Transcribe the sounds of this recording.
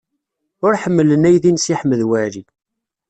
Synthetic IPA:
ʊɾħəmːələnæjðinsiħmːəðwæɾi

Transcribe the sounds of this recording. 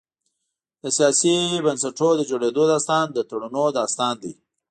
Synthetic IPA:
d̪əsijɑsibənsaʈod̪əd͡ʒoɽed̪od̪ɑst̪ɑnd̪ət̪aɽunod̪ɑst̪ɑnd̪i

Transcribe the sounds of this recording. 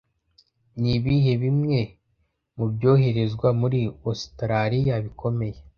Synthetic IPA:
niβihe̞βimŋe̞ | mubjo̞ːɦe̞ɾe̞zɡwamuɾiostɾaɾijaβikʰo̞me̞je̞

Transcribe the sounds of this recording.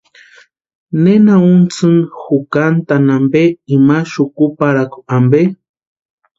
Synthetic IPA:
nenaunt͡sɨŋxukant̪anambeimaʃukupaɾaku̥ambe

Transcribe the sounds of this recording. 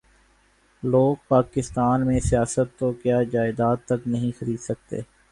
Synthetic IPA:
loːɡ̚paːkɪst̪aːnmẽsijaːsət̪ːokjaːd͡ʒaːɪd̪aːt̪ːɐknɐɦĩxɐɾiːd̪sɐk̚t̪ḛː

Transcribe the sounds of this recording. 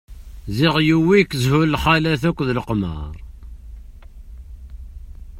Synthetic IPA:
ziʁjuwikːzhullħalæθækʷːðlqmə̰ɾˤ

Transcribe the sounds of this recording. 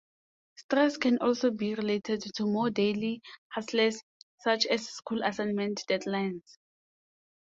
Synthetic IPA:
stɹɛskʰɛ̃nʔɔlsobiɹiletʰɛdtʰumɔdelihaslɛsː | at͡ʃʰɛsskʰulasãnmɛ̃ntd̥ɛdlajns

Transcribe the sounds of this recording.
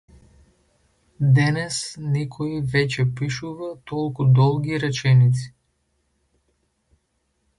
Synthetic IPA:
d̪ɛnɛsnɛkʰɔivɛcɛpiʃuvat̪ɔlˠkud̪ɔlˠɡʲiɾɛt͡ʃɛnit̪si̥

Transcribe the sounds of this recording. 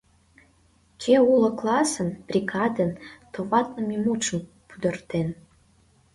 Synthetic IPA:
t͡ɕeulə̆klɑsə̆nbrʲiɡɑd̪ənt̪oβɑt̪̚nə̆mimuʃə̆m | pyd̪ə̆rt̪en

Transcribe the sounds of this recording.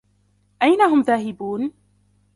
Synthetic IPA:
ʔajnaɦʊmðaːɦɪbuːn

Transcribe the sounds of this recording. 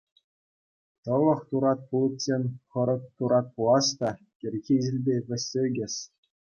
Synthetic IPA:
t̪ɤ̆lˠɤ̆χt̪uɾɑt̪̚pulˠɤ̆t̪̚ʲsʲenʲχɤ̆ɾɤ̆k̚t̪uɾɑt̪̚pulˠɑst̪ɑ | kʲɘ̆rʲɣʲiʑɘ̆lʲbʲeʋʲɘ̆sʲːeɡʲɘ̆ɕ

